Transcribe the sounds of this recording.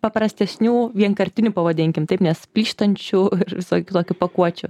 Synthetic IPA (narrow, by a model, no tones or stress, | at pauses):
pɐpɾɐsʲt̪ʲɛsʲnʲuːʋʲiɛŋkɐɾʲt̪ʲɪnʲʊpɐʋɐd̪ʲɪŋʲkʲɪmt̪ɐɪpnʲɛspʲlʲiːʃt̪ɐnʲt͡ʃʲʊɪrʋʲɪsoːkʲʊt̪oːkʲʊpɐkuɔt͡ʃʲʊ